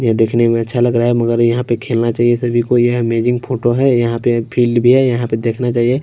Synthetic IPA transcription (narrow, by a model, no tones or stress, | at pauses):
jed̪eːkʰnemẽɐtːʃʰalɐɡɾaaɦɛmɐɡəɾjɐɦãpekʰeːlnat͡ʃaːɦiesɐbʱikojeɦmeːd͡ʒɪ̃ŋɡpʰoːʈoɦɛjɐɦãpepʰiːlɖbʱiɦɛjɐɦãped̪eːkʰnat͡ʃaːɦie